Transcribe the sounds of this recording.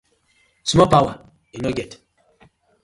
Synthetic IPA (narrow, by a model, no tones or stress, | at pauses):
sumopawa | inoɡɛt